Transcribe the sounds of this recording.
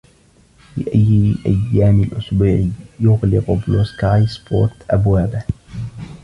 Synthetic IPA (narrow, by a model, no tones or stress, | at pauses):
fḭːʔajːɪʔa̰jːaːmalʔʊsbuːʕiːjʊɣlɪqblʊːskaːjsbo̰ːɾˤt̪ʔabwaːbah